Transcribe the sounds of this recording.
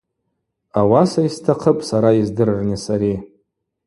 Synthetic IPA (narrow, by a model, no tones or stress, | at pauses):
awasaistʰaqʰəpʼsaɾaizdɨrrnisaɾi